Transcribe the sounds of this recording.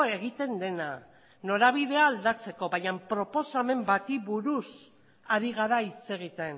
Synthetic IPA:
e̞ɣ̞it̪e̞nd̪e̞na | no̞ɾaβ̞iðe̞aːld̪at͡se̞ko̞βajampɾo̞po̞same̞mbat̪iβuɾus | aɾiɣ̞aɾait͡se̞ɣ̞it̪e̞n

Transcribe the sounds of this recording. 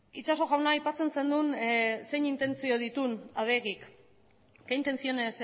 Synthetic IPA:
it͡ʃaso̞ɣawnaːjpat͡se̞nse̞nd̪unse̞jɲint̪e̞nt͡sio̞ð̞it̪unað̞e̞ɣik | kaint̪e̞nt͡sio̞ne̞s

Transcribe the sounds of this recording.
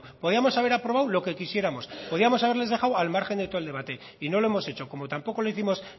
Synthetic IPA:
poð̞iamo̞saβ̞e̞ɾapɾo̞βawlo̞ke̞kisje̞ɾamo̞spo̞ðiamo̞saβe̞ɾle̞zðe̞xawalmaɾxend̪e̞t̪old̪e̞βat̪e̞ | ino̞loe̞mo̞se̞t͡ʃo̞ko̞mo̞t̪ampo̞ko̞loiθimo̞s

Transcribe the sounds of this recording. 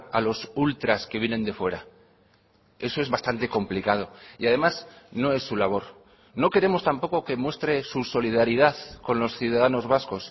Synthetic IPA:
alo̞sult̪ɾaske̞β̞je̞nẽ̞nd̪e̞fwe̞ɾa | e̞so̞e̞zβast̪ant̪e̞ko̞mplikað̞o̞iaðe̞masno̞e̞sːulaβ̞o̞ɾ | no̞ke̞ɾe̞mo̞st̪ampo̞ko̞ke̞mwe̞st̪ɾe̞suso̞liðaɾiðaθko̞nlo̞sθjuð̞aðano̞zβasko̞s

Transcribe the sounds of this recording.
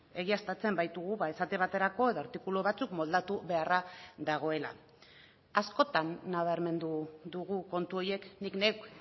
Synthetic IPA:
e̞ɣiast̪at͡se̞mbajt̪uɣ̞uβaesat̪e̞β̞at̪e̞ɾako̞e̞ðo̞aɾt̪ikuluβat͡sukmo̞ld̪at̪uβe̞araðaɣ̞o̞e̞la̰ | asko̞t̪anːaβ̞aɾme̞nd̪uðuɣ̞uko̞nt̪uo̞je̞knikne̞wk

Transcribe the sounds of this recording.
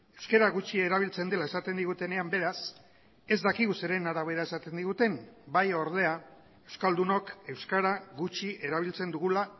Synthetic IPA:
e̞wske̞ɾaɣut͡ʃieɾaβ̞ilt͡se̞nd̪e̞lae̞sat̪e̞nd̪iɣ̞ut̪e̞ne̞ambe̞ɾas | e̞zd̪akiɣuse̞ɾe̞naɾaβ̞e̞ɾae̞sat̪e̞nd̪iɣut̪e̞mbajo̞ɾð̞e̞a | e̞wskald̪uno̞ke̞wskaɾaɣut͡ʃiʔe̞ɾaβ̞ilt͡se̞nd̪uɣula

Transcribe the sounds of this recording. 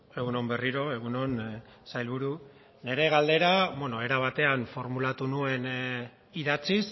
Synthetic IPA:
e̞ɣuno̞mbe̞riɾo̞e̞ɣ̞uno̞n | sajlβuɾu | ne̞ɾe̞ɣald̪e̞ɾaβeno̞e̞ɾaβ̞at̪e̞anfo̞ɾmulat̪unue̞n | iðat͡sis

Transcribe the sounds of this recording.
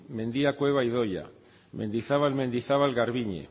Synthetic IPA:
mẽ̞nd̪iakwe̞β̞aiðoja̰ | mẽ̞̰nd̪iθaβalmẽ̞nd̪iθaβalɣaɾβiɲḛ

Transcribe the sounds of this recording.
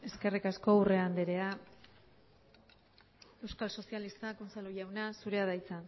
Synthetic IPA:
e̞ske̞rikasko̞ure̞and̪eɾe̞a | e̞wskalso̞sialist̪akont͡saluʝawnasuɾe̞aðajt͡sa

